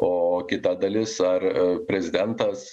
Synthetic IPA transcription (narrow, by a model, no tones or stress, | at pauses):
oːkʲɪt̪ɐd̪ɐlʲɪsɐrpʲɾʲɛzʲɪd̪ʲɛnt̪ɐs